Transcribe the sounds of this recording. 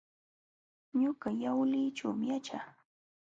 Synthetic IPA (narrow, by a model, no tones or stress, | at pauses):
ɲʊɢɑjawlɪːt͡ʃawmɪjat͡ʃaː